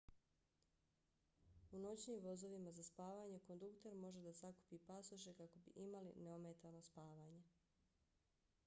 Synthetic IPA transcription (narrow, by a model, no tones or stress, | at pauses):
uno̞t͡ɕniːmʋo̞zo̞ʋimazaspaːʋaːɲe̞ko̞nd̪ukt̪e̞ɾmo̞ʒe̞d̪asaku̥piːpasoʃe̞kako̞bḭʔimalḭneomet̪ano̞spaːʋaːɲe̞